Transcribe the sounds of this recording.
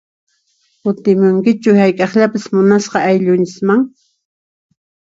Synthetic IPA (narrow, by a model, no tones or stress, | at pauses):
kʊt̪ɪmʊŋkɪt͡ʃʊhajkʼɑχʎapasmʊnasqɑajʎʊnt͡ʃɪsmaŋ